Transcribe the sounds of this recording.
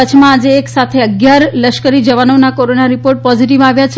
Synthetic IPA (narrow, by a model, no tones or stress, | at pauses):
ət͡ʃʰmãad͡ʒeːksat̪ʰeəɡjaɾləʃkəɾid͡ʒəʋanonakoɾonaɾipoɾʈ̚pɔziʈiʋaʋjat͡ʃʰ